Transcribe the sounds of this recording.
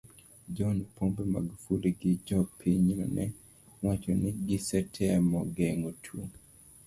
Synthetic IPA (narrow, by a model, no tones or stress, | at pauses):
d͡ʒɔnpʰombɛma̰ɡufuliɡɪd͡ʒɔpʰiɲɔ̰nʔɛ | wat͡ʃɔnɪɡɪsɛtʰɛamɔɡɛŋotʰo